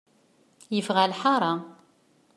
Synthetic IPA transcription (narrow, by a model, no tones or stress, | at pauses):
jəfʁælħɑɾˤɑ